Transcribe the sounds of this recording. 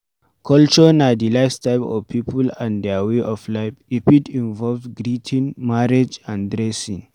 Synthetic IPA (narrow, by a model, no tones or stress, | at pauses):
kʰɔlt͡ʃɔnadilaɪstaɪpɔ̰vpʰipʰulãndɛaweʔɔflaɪfipidĩnvɔlvɡɾitʰĩnmaɹed͡ʒãndɾɛsĩŋ